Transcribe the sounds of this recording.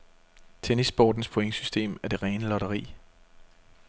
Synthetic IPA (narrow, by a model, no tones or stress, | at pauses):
t͡sʰenisb̥ɒ̰ːd̥n̩spʰoeŋəsysd̥e̝̰ːmæɐd̥e̝ʁɛːnəlɒ̽ɾ̥ɐʁḭː